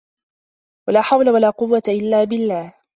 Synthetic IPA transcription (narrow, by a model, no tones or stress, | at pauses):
walaːħawlawalaːqʊwːat̪aʔɪlːaːbɪlːaːh